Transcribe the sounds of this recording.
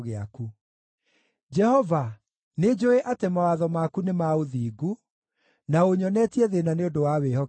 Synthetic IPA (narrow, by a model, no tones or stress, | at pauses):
ɣea̰ku | d͡ʒɛhɔva | ned͡ʒoeʔatemawaðɔmakunemaoðiːɡu | naoɲɔnɛtiɛðenaneodowawehɔ